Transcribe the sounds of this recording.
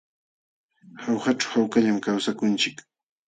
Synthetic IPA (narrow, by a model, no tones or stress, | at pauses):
hawxaʈ͡ʂawhawkaʎamkawsakʊnt͡ʃɪk